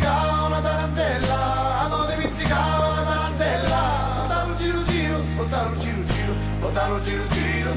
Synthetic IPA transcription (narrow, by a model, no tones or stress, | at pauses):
ka | valat̪alant̪ɛlːa | ad̪ɔd̪epit̪sikavalat̪aɾant̪ɛlːa | ot̪ːaɾud͡ʒiɾud͡ʒiːɾʊ | ot̪ːaɾud͡ʒiːɾud͡ʒiːɾʊ | ot̪ːaɾud͡ʒiɾud͡ʒiːɾʊ